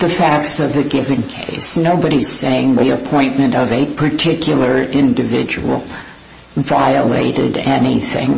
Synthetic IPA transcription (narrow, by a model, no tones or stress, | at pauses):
ðɨfæk̚tsʌvðɨɡɪvɨ̃nkʰḛɪsnoʊbɨɾiz̥seɪɪ̃ŋwiɨpʰɔ̃ɪ̃nmɨ̃ntʌvɨpʰə˞tʰɪkʰjl̩ˠə˞ɪ̃ndɨvɪ̰d͡ʒɨ̰wl̩ˠ | vaɪəlḛɪɾɨ̰ɾɛniθɪ̰̃ŋ